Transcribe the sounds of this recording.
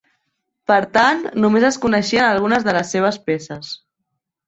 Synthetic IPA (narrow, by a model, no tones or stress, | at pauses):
pəɾt̪annumezəskunəʃiənəlˠɣ̞unəzðələsːeβ̞əspesəs